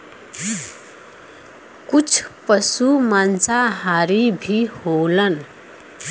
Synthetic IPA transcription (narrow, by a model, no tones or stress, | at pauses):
kut͡sʰpʌsumant͡saɦaɾibʱiholʌn